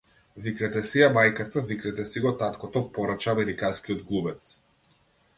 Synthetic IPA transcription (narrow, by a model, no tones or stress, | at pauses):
vikɾɛt̪ɛsiamajkat̪avikɾɛt̪ɛsiɡɔt̪at̪kɔt̪ɔpɔɾat͡ʃaːmɛɾikanskiɔd̪ɡlˠubɛt̪s